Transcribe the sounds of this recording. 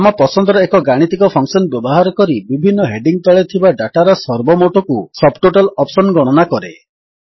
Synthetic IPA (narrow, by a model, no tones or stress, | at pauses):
amɔpɔsɔnd̪ɔɾɔekɔɡaɽ̃it̪ikɔpʰɔŋsɔnbjɔbɔɦaɾɔkɔɾibibʱinːɔɦeɖiŋ̚t̪ɔɭet̪ʰibaɖaʈaɾɔsɔɾbɔmoʈokusɔbʈoʈalɔpsɔnɡɔɽ̃ɔnakɔɾḛ